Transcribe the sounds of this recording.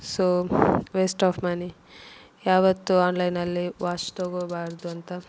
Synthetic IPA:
soːʋesʈaːpʰmɐni | jaːʋɐt̪ːuaːnlɐjnɐlːiʋaːt͡ʃt̪oɡoːbaːɾd̪uɐnt̪ɐ

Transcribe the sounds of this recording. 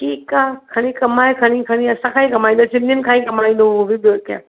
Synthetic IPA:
ʈiːkakʰɐɽ̃ĩkɐmaːekʰɐɽ̃ikʰəɽ̃iɐsãkʰãːɦĩkɐmaːĩnd̪osɪnɪnkʰãːĩkɐmaːĩːnd̪oobʱibka̰

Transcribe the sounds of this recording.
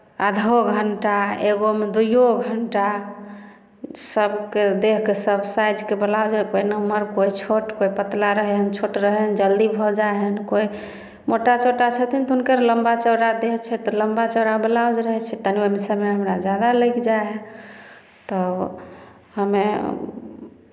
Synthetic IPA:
a̰d̪ʱoɡʱəɳʈaeɡomed̪ujoɡʱəɳʈa | səbked̪eɦkesəbsajd͡ʒkebəlawd͡ʒkoinəməɾkoit͡ʃʰoʈkoipət̪laɾəɦɛɦənt͡ʃʰoʈɾəɦɛnd͡ʒəld̪ibʱɔd͡ʒaeɦənkoi | moʈat͡ʃʰoʈat͡ʃʰət̪ʰint̪ɔɦunkəɾləmbat͡ʃəwɾad̪eɦt͡ʃʰɛt̪ɔləmbat͡ʃəwɾabəlaod͡ʒɾəɦɛt͡ʃʰɛt̪ənemisəmeɦəmɾad͡ʒjad̪aləjkd͡ʒaɦɛ | t̪ɔ | həme

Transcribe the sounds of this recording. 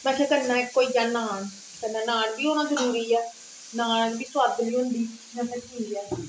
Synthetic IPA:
mɛ̃ːsʰɛ̃ːkəɾnaːɪkːoːiːd͡ʒaːnaːn | kənãːnaːnbiːoːnãːzəɾuːɾiːɛː | naːnãnbiːsʊaːd̪əliːɦʊ̃nd̪iː | nãːsʰɛ̃t͡ʃiːd͡ʒɛː

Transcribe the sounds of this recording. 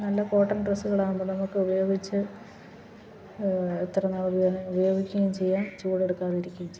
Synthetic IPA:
nɐlːɐko̞ːʈːɐnɖrɐsːuɣɐɭaːɻumboːnɐmukːɨubɐjo̞ːɡit͡ɕːɨ | et̪ːɐrɐnːɐubɐneubɐjo̞ːɡikʲːuɣɐmt͡ɕe̞jːaːnt͡ɕuːɽe̞ɽukːaːriɾikʲːumt͡ɕ

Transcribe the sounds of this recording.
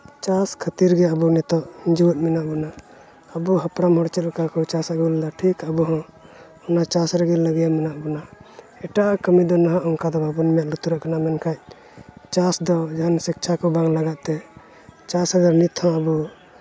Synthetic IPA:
t͡ʃaskʰət̪iɾɡɛəbunɛt̪ɔʔɲd͡ʒiwət̪̚minaʔbɔna | əbuɦəpɽamɦɔɽt͡ʃɛt̪̚kakɔt͡ʃasaʔɡuld̪aʈʰikəbuɦɔ̃ | ɔnat͡ʃasɾɛɡilləɡɛjaminaʔbɔna | ɛʈaʔakəmid̪ɔnaɦãʔɔŋkad̪ɔbʱabunimjaʔlut̪uɾaʔkanamɛnkʰac̚ | t͡ʃasd̪ɔd͡ʒaansik̚t͡ʃʰakɔbaŋlaɡaʔt̪ɛ | t͡ʃasaɡaɾnit̪ʰhɔ̃əbu

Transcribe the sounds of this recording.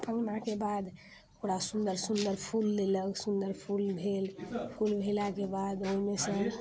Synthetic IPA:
pəŋɡnakebad̪ | okɾasũnd̪əɾsund̪əɾpʰulːeləɡsund̪əɾpʰulbʱelpʰulbʱelakebad̪oɦimesə̃

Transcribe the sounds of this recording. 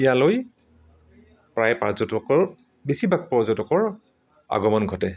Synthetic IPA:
ijaloj | pɹajpaɹzɔtɔkɔɹ | besibak̚pɔɹzɔtɔkɔɹ | a̰ɡɔmɔnɡʱɔtɛ

